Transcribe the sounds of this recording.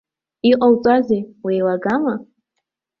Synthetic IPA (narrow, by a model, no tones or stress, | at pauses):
iqʼawt͡sʷʼazejwejlaɡama